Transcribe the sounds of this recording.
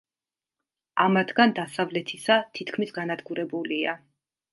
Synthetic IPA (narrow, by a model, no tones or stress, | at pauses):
amat̪ʰɡand̪asavlɛt̪ʰisat̪ʰit̪ʰkʰmisɡanad̪ɡuɾɛbulia